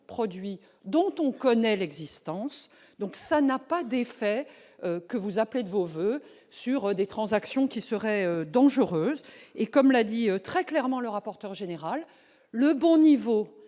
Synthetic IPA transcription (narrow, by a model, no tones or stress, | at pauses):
pχɔd̪ɥi | d̪ɔ̃t̪ɔ̃kɔnɛlɛɡzist̪ɑ̃s | d̪ɔ̃ksanapad̪efɛ | økəvuzapled̪əvovø | syʁd̪et̪χɑ̃zaksjɔ̃kʲisəʁɛød̪ɑ̃ʒəʁøːzekɔmlad̪iøt̪χɛklɛʁmɑ̃ləʁapɔʁt̪œʁʒeneʁalː | əbɔ̃nivo